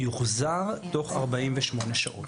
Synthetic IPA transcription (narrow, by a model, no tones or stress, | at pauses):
juχzaʁto̞χa̰ʁbaimveʃmo̞neʃaʔo̰t